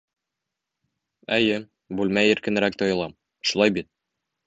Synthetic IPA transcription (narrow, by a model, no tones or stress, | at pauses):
æjɘ | bʉlmæjĭɾkɘ̆nɘ̆ɾæk̚t̪ɒjɤ̆lˠɑm | ʃulˠɑjbit̪̚